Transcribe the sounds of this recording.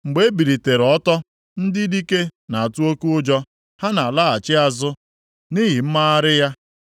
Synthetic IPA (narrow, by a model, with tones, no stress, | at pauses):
ŋ͡m̩˨ɡ͡be˦e˦bi˨ɾi˨te˨ɾɔ˦tɔ˦ | n̩˦dɪ˦di˦ke˦na˨a˨tu˦o˦ku˦ʊ˦d͡ʒɔ˦ | ha˦na˨la˦˨a˨t͡ʃɪ˦a˨zʊ˦ | ni˦ɦi˨m̩˦ma˦a˦ɾɪ˦ja˦